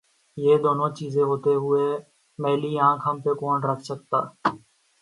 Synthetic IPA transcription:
jeːd̪oːnõːt͡ʃiːzẽːɦoːt̪eːɦʊeː | mɛːliːãːkʰɦəmpeːkoːnɾəkʰsək̚t̪a̰ː

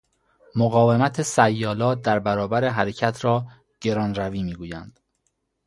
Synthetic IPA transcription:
moɣɒːve̞mæt̪ʰesæjːɒːlɒːt̪̚d̪æɾbæɾɒːbæɾeɦæɾecʰæt̪ʰɾɒː | ɟ̥e̞ɾɒːnɾæviːmiːɡuːjænd̪̥

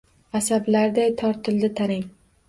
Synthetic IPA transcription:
asablaɾd̪ajt̪ʰɒɾt̪ʰɪld̪ɪt̪ʰaɾɪŋ

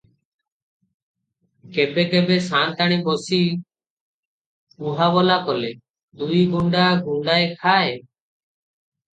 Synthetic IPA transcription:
kɛbɛkɛbɛsãnt̪aɽ̃ibɔsi | uɦabɔlakɔlɛ | d̪ujɡuɳɖaɡuɳɖajkʰae

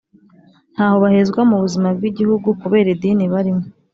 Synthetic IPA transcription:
n̥haːho̞βahezɡwamuβuzimabɡiɟihuɡukuβe̞ːɾediːniβaɾimo

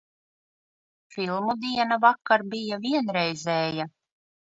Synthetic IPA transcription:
filˠmud̪iɛnavakːaɾbijaviɛnɾɛjzɛːja

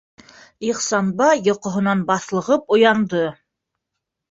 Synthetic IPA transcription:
iqsɑnbɑjŏqŏɦŏnɑnbɑθlˠɤ̆ʁɤpŏjɑnd̪ɤ

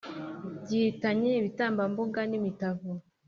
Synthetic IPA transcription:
ɟihitaɲeiβitaːmbamboɡanimitavu

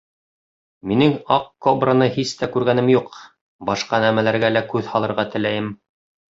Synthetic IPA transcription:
minɘŋɑqkobranɤhist̪ækʉɾɡænɘmjuq | bɑʃqɑnæmælæɾɡælækʉðhɑlˠɤ̆ɾʁɑt̪ɘ̆læjɘm

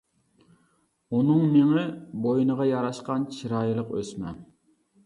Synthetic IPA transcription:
unɨŋmeŋɪbojnəʁɑjɑɾɑʃqɑnt͡ʃʰiɾɑːjɨlˠəqø̰smɛ̰n

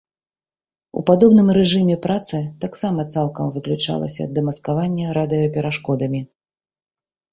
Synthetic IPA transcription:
ṵpad̪ɔbn̪ɨmɾɛʐɨmʲɛpɾat̪sɨt̪aksamɐt̪salˠkɐmvɨklʲut͡ʂa̰lˠɐ̰sʲɐ̰ːd̪ːɨmɐskavanʲːɐɾad̪ɨjɔpʲɛɾaʂkɔd̪ɐmʲi

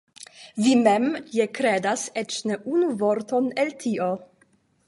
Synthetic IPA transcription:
vimemjekɾedaset͡ʃneʔunuvoɾtoneltʰiʔo

